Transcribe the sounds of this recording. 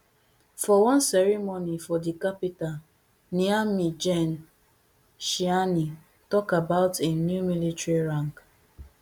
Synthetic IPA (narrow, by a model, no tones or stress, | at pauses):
fɔwɔ̃nsɛɹimonifɔdikapital | niamid͡ʒɛn | ʃiani | tɔkabaʊtʰenjumilitɹiɹãŋk